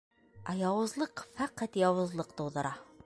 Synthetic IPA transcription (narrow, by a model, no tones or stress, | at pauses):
æjɒwɤ̆zlˠɤqfæqæt̪jɑwɤ̆zlˠɤqt̪ɤuðɤ̆ɾʔɑ